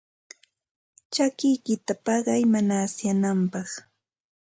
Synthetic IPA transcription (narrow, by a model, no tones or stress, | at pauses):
t͡ʃakɪjkɪt̪apɑɢɑjmanaːsjanampɑχ